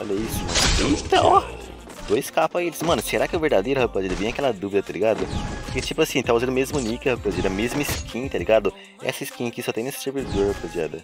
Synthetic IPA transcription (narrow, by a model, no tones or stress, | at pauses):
faleisʊmɐ̃nit̪ɐ | d̪̥ojskapɐelɪ̥smɐ̃nʊseɾakɪʊveɾd̪ad̪ejɾʊhɐpɐzid̪ɐvẽj̃ɐkɛlɐd̪uvid̪ɐt̪aliɡad̪ʊɪt͡ʃipʊasĩt̪auzɐ̃d̪ʊmezmʊnikɪhɐpozid̪ɐmezmʊiskʰĩt̪aliɡad̪ʊ | ɛ̰sɐiskĩkɪsɔt̪ẽnesɪ̥seɾvid̪oɾhɐpozia̰d̪ɐ